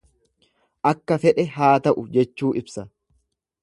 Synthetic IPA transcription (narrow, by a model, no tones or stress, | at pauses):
ʔɐkːɐfɛᶑɛɦaːt̪ɐʔʊd͡ʒɛt͡ʃːuːʔɪbsɐ